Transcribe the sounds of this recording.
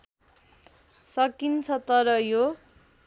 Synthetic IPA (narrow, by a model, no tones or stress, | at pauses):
sʌkint͡sʰʌt̪ʌɾʌjo